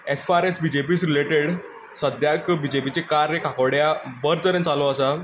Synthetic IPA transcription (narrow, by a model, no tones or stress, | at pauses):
esfaɾesbid͡ʑepiːsɾileʈeɽ | səd̪ʱjakbid͡ʑepit͡sekaɾjəkʰakəɽjabəɾt̪əɾə̃nt͡saloəsa